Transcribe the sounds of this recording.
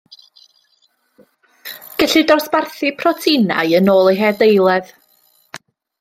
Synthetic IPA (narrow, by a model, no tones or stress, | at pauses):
ɡ̥ɛɬɨdɔsb̥arθɨpʰrɔtʰina̰jənoːlˠeɦɛːdejlˠɛð̥